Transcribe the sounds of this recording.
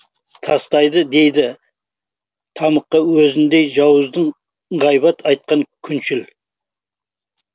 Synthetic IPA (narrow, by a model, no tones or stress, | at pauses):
t̪ʰɑst̪ɑjd̪əd̪e̞jd̪ɪ | t̪ʰɑməqːɑwɵzɪnd̪ejʒɑwəzd̪əɴ | ɴʁɑjbɑt̪ʰɑjt̪̚qɑŋkʲʰʏnʃɪl